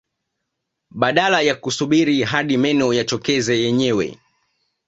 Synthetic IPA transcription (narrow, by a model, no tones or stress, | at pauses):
ɓaɗalajakusuɓiɾiɦaɗimɛnɔjat͡ʃɔkɛzɛjɛɲɛwɛ̰